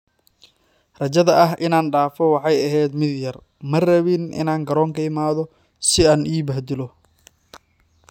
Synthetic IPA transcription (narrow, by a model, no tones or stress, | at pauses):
rɐt͡ʃɐðɐʔɐɦʔɪnaːnɖaːfɔwɑħɑjɐɦɛːd̪mɪd̪jɐr | mɐrɐβɪnʔɪ̰naːŋɡɐɾɔːŋkʰɐɪmaːðɔ | sɪaːnʔiːbɐhd̪ɪlɔ